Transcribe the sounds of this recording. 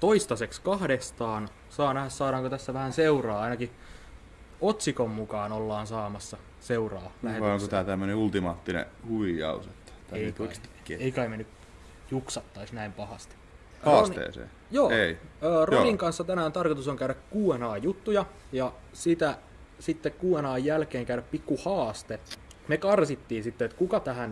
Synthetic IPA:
t̪oist̪ɑsekskɑhdest̪ɑːn | sɑːnæhæssɑːɾɑːŋkot̪æsːæʋæhænseurɑːɑinɑki | ot̪sikomːukɑːnolːɑːnsɑːmɑsːɑ | seurɑːlæheɑoŋkot̪æːt̪æmːøneult̪imɑːt̪ːinḛhuʋijɑ̰uset̪ːɑ̥t̪æe | eikɑimenːyk | juksɑt̪ːɑisnæimpɑhɑst̪i̥ | hɑrːosniḛːsḛː | joːeiəːroniŋkɑnsːɑt̪ænæːnt̪ɑrkot̪usoŋkæyɾækkuːenɑːjut̪ːujɑ | jɑ | sit̪æ | sit̪ːekkuːenɑːjjælkeːŋkæyɾæppikːuhɑːst̪emekɑrsit̪ːiːnsit̪ːeet̪kukɑt̪æhæn

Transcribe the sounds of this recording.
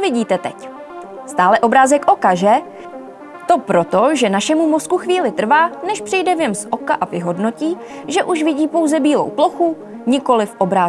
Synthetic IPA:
vɪɟiːt̪ɛt̪ɛ̰c | st̪aːlɛʔo̞bɾaːzɛkʔo̞kaʒɛ | t̪o̞pɾo̞t̪o̞ʒɛnaʃɛmumoskuxviːlɪt̪r̩vaːnɛʃpr̥ɪjdɛvɲɛmsʔokaʔavɪɦodno̞ciː | ʒɛʔuʃvɪɟiːpo̞wzɛbiːlo̰wploxu | ɲɪko̞lɪfʔo̞bɾaː

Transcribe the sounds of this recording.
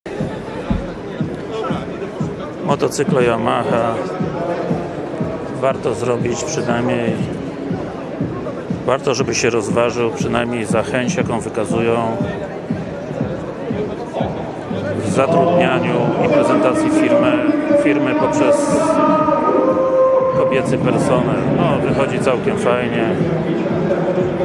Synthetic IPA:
mɔt̪ɔt̪sɘklɔiamaxa | vaɾt̪ɔzɾɔbʲit͡ɕpʂɘd̪aɲej | vaɾt̪ɔʐɛbɘɕɛɾɔzvaʐɘwpʂɘnajmɲejzaxɛɲt͡ɕjakɔ̃w̃vɘkazujɔ̃w̃ | vzat̪ɾud̪ɲaɲuipɾɛzɛnt̪at̪sʲjifʲiɾmɛfʲiɾmɘpɔpʂɛs | kɔbʲjɛt̪sɘpɛɾsɔnɛlnɔvɘxɔd͡ʑit̪sawkʲɛmfajɲɛ

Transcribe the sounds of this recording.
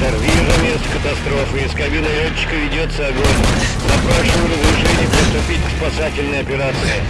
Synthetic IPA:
t̪ɐrvʲiʐəmʲest̪kət̪ɐst̪ɾo̞fɨɪskɐbʲinəlʲot͡ɕːɪ̥kəvʲɪdʲot̪səɐɡonʲzɐpɾaʂɨmʊɾəzɾʲɪʂɛnʲɪjʊpɾʲɪst̪ʊpʲitʲkspɐsatʲɪlʲnəjəɐpʲɪɾat̪sɨɪ

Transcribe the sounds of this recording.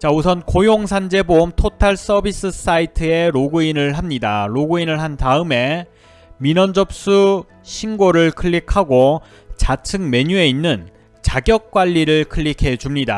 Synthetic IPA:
t͡ɕaus̬ʰʌnkojoŋsʰand͡ʑe̞boumtʰotʰaɭs͈ʌbis͈ɯs͈ʰaitʰɯe̞ɾoɡuinɯɭɦamɲidaɾoɡuinɯɭɦantaɯme̞ | minʌnd͡ʑʌp̚s͈u | ɕʰinɡoɾɯɭkʰɯɭːikʰaɡo | t͡ɕat͡ɕʰɯŋme̞ɲue̞inːɯn | t͡ɕaɡjʌk̚k͈waʎːiɾɯɭkʰɯɭːikʰe̞t͡ɕumɲida̰

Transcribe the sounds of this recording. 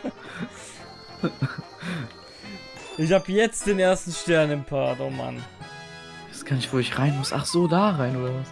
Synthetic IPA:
ʔɪçhaːbjɛt͡st̚d̥eːneːɐstn̩ʃtɛɐnɪmpʰaɐtoːma̰n | jɛskʰanɪçv̥oːɪçʁaɪnmʊsa̰χz̥oːdaːʁaɪnʔoːdɐvas

